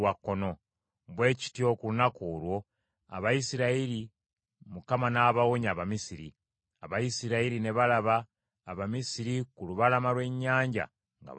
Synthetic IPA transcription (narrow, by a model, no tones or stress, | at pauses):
wakːono̞ | βwe̞ːci̥tjo̞ːkuunakuːlwo̞ | a̰βajisiɾaiɾi | mukamanaːβawoɲaβamisiɾḭ | aβajisiɾaiɾine̞βalaβaː | βamisiɾikuluβalamalwe̞ɲːaːɲɟa̰ | ŋɡa̰